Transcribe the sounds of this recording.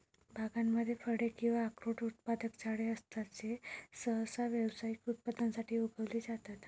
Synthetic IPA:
bʱaɡamːəd̪ʱːjefəɽekĩw̃ʋaːkɾoʈut̪̚pad̪əkt͡saɽeəst̪at͡sesəɦsaʋjəwsaikut̪̚pad̪ansaʈʰiːuɡʱəʋliːd͡zat̪at̪

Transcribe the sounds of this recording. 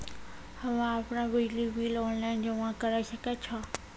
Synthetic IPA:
hɐʋãaːpɽ̃aʋid͡ʒliʋiːlɔːnlaːɪnd͡ʑoãkɐɾaʃɐket͡ʃʰaː

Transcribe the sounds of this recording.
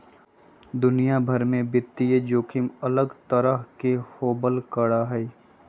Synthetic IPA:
d̪ʊnijabʱəɾmẽbɪt̪ːied͡ʒoːkʰɪmɐləɡt̪əɾəɦkehoːbəlkəɽaɦɛ

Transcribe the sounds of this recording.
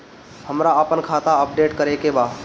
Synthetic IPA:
həmɾaəpənkʰaːt̪aəp̚ɖeːʈkəɾekebaːd̪

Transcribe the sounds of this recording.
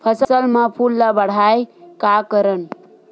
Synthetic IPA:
pʰəsəsəlmãpʰulːəbəɽ̤ajkakəɾən

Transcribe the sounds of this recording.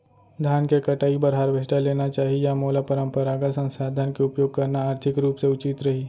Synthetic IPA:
d̪ʱjaːnkekɐʈaːibəɾɦaɾʋesʈaleːnat͡ʃaːɦijamoːlapəɾə̃mpəɾaːɡasɐ̃nsaːd̪ʱənkeʊpjoːɡ̚kɐɾnaaːɾt̪ʰɪkɾuːpseʊt͡ʃit̪ɾɐɦiː

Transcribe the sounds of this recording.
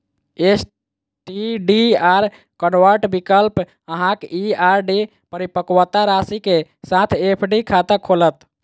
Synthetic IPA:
es | ʈiɖiaɾ | kənʋəɾʈbikəlp | əɦãkiaɾɖi | pəɾipəkwət̪aɾasikesat̪ʰepʰɖikʰat̪əkʰːolət̪

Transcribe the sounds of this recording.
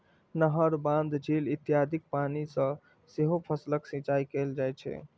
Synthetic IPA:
nəɦəɾbãnd̪d͡ʒilit̪jad̪ʱik̚panisə̃ | seɦopʰəsləksĩt͡ʃajkeld͡ʒajt͡ʃʰɛ̰

